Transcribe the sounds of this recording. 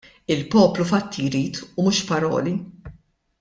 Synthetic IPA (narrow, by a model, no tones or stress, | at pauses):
ɪlpɔːplufɐt̪ʰːijɾiːt̪ʰumuːʃpɐɾɔ̰ːli